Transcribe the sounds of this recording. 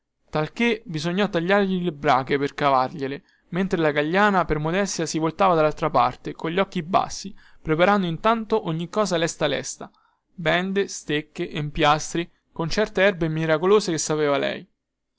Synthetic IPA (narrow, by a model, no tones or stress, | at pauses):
t̪alkebizoɲːɔt̪ːaʎːarʎilebɾaːk̟eperkavarʎele | ment̪ɾelaɡaʎːaːnapermod̪ɛst̪jasivolt̪aːvad̪alːalt̪ɾapa̰rt̪ekoʎiɔkːiba̰sːipɾepaɾand̪oint̪ant̪oʔoɲːikːɔːzalɛst̪alɛ̰st̪a | bɛnd̪est̪ekːeʔempjast̪ɾi | kont͡ʃɛrt̪eɛrbemiɾakoloːsek̟esːapeːvalɛ̰j